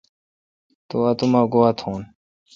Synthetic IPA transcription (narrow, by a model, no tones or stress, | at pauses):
t̪oɐt̪umaɡoat̪ʰõːn